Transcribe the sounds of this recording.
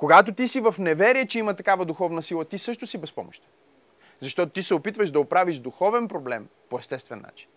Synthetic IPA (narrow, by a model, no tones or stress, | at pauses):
koɡat̪ot̪isivɐfnɛvɛɾiɛt͡ʃɛimɐt̪ɐkavəd̪uxɔvnəsilˠɐt̪isɤʃt̪ʊsibɛspɔ̰mo̰ʃt̪ɛ̥ | zɐʃt̪ɔt̪ot̪isɛopit̪vəʃd̪ɐopɾaviʒd̪uxɔvɛnpɾoblɛmpoɛst̪ɛst̪vɛnːa̰t͡ʃi̥n